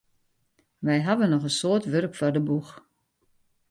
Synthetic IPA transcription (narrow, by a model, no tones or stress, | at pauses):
ʋɛjɦaʋənːɔχənsoətʋørkfɔrdəbux